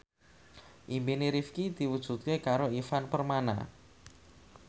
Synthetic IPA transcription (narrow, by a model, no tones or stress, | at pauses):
ʔimbiniɾifkid̪iwud̥ʒ̥ṳt̪̚kekaɾoifanpərmana̰